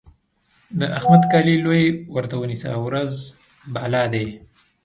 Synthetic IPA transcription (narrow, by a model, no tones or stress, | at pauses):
d̪əʔaxmad̪kɑlilojwaɾt̪awənisa̰wɾaz | bɑlɑd̪e